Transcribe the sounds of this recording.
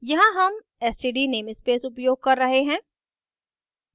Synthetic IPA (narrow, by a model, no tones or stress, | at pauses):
jɐɦãɦɐm | ɛsʈiɖineːmɪspeːsʊpjoːɡ̚kɐɾːɐɦeɦɛ̃ː